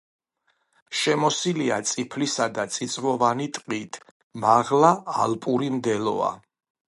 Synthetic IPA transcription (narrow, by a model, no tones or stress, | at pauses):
ʃɛmɔsilia̰t̪sʼipʰlisad̪at̪sʼit̪sʼvɔvanit̪ʼqʼit̪ʰ | maʁlaːlpʼuɾimd̪ɛlɔ̰a̰